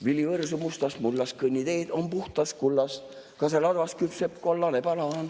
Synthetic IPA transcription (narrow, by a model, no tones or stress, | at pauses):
vilivɤrsumust̪ɑsmulːɑskɤnʲːid̪eːd̪̥ompuht̪ɑskulːɑs | kɑselɑd̪vɑskypsep̚kuolːɑnepɑlɑn